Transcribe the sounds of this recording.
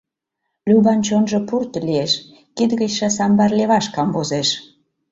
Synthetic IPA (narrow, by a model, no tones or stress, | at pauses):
lʲyβɑnt͡ɕonʒɤ̆purt̪ʲlieʃ | kid̪ɣət͡ɕʃɑsɑmbɑrlʲeβɑʃkɑmvozeʃ